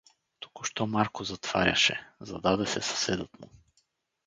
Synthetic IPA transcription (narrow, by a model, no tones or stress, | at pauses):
t̪u̥kʊʃt̪ɔmaɾkʊzɐt̪v̥a̰ɾʲɐ̰ʃɛ̰zɐd̪ad̪ɛsɛsɐ̥sɛd̪ət̪mʊ